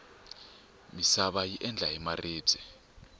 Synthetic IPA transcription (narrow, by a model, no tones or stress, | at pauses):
misaɓajiʔɛnd͡ɮʱaɛmare̥ːb͡ʐ̥ʱɛ